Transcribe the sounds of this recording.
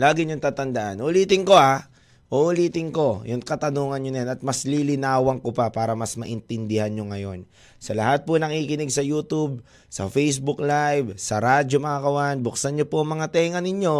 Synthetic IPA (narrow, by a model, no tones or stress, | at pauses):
laːɡɪɲoŋt̪aːt̪ɐnd̪aʔanʔʊliːt̪ɪŋko̞ʔa | ʔoʔʊliːt̪ɪŋko̞jʊŋkɐt̪ɐnuːŋɐnjoɐjanɐt̪̚mɐslilɪnaːwɐŋkopapaːɾɐmɐsmɐʔɪnt̪ɪnd̪ɪhanɲoŋɐjo̞n | sɐlɐhat̪̚ponɐŋikɪnɪɡ̚sɐjuːt̪ub̚ | sɐ̰fɛjsbʊklajvsɐɾaːd͡ʒomɐkakɐwanbʊksɐɲɲopoɐŋmɐŋat̪ɛːŋɐnɪɲjo̞